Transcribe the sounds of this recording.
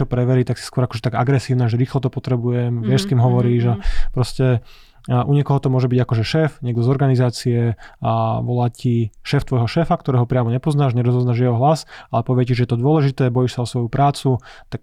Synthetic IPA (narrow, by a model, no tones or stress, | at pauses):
ɔpɾɛʋɛɾit̪aksi̥skwʊɔɾakɔ̥ʒɛt̪aɡaɡɾɛsiːʊnaːʒɛɾiːxlɔt̪ɔpɔt̪ɾɛbujɛmʋɪɛʃskiːmɦɔʋɔɾiːʒapɾɔscɛ | ʔuɲɛkɔɦɔt̪ɔmʊɔʒɛbiɟakɔʒɛʃɛːfɲɪɛɡd̪ɔzɔɾɡanizaːt͡siɛ | ʋɔlaːciʃɛːft̪ʋɔjɦɔʃɛːfakt̪ɔɾɛːɦɔpɾɪamɔɲɛpɔznaːʒɲɛɾɔzɔznaʒjɛɦɔɦlasalɛpɔʋɪɛciʒɛjɛt̪ɔd̪ʊɔlɛʒit̪ɛːbɔjiʃsaɔsʋɔjupɾaːt͡sut̪ak